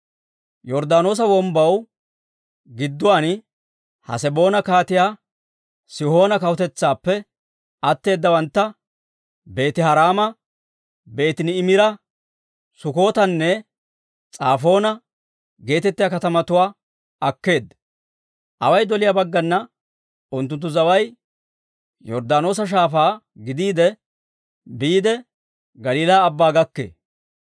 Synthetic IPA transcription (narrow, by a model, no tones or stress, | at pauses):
jɔɾd̪aːno̞ːs̬ɐwɔmbɐw | ɡɪd̪ːʊwaːn | hɐ̰sɛbo̞ːnɐkaːt̪ɪjaː | sɪho̞ːnɐkɐwʊt̪ɛt͡sːaːpːɛ | ɐt̪ːe̞ːd̪ːɐwɐnt̪ːɐ | be̞ːt̪ɪhɐɾaːmɐ | be̞ːt̪ɪnɪːmɪɾɐ | sʊko̞ːt̪ɐnːɛ | t͡sʼaːfo̞ːnɐ | ɡe̞ːt̪ɛt̪ːɪjakɐt̪ɐmɐt̪ʊwaː | ɐkːe̞ːd̪ | ʔɐwɐjd̪ɔlɪjabɐɡːɐnːɐ | ʊnt̪ːʊnt̪ːʊzɐwɐj | jɔɾd̪aːno̞ːs̬ɐʃ̬aːfaː | ɡɪd̪iːd̪ɛ | biːd̪ɛ | ɡɐliːlaːbːaːɡɐkːḛː